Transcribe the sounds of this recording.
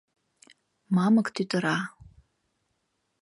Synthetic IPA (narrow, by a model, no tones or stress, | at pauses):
mɑməkt̪ʰyt̪əɾɑ